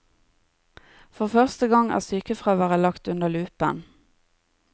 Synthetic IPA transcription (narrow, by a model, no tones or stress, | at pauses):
fɔʁfœʁst̪əɡɑŋæ̰ːʁsyːkəfʁɑːʋæːʁəlɑkt̪ʉnəlʉːpə̰n